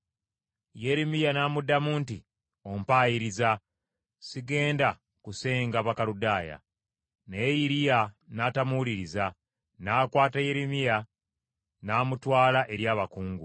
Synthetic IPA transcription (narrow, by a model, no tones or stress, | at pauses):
jeɾemijanaːmudamuːnti | o̞mpaːjiɾiza | siɡe̞ːnda | kuse̞ːŋɡaβakaɾudaːja̰ | neːjiɾija | naːtamuliɾiza | naːkwaːtaje̞ɾemija | naːmutwaːlaʔe̞ɾjaːβakuːŋɡu